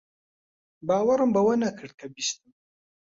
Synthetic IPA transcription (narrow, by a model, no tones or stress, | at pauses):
baːwaɾɨmbawanakʰɨɾ̚kʰɐbist̪ɨm